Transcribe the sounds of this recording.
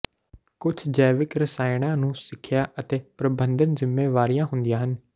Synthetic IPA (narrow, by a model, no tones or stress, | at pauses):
kʊt͡ʃʰd͡ʒɛːʋɪkɾəsaːɪɽ̃ãːnũːsɪkʰːɪjaːʔət̪eːpɾəbənd̪ənzɪmːeːʋaːɾijãːɦʊnd̪ijãːɦən